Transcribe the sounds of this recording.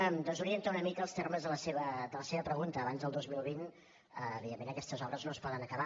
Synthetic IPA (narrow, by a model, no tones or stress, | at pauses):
əmd̪ɔnzuɾiənt̪aunəmikəlˠst̪erməzðələseβəd̪ələseβəpɾəɣunt̪əːβanzðəlˠd̪ozmilˠβ̞in | əːβiðemːenəkɛst̪əzɔβɾəznoəspɔðənəkəβa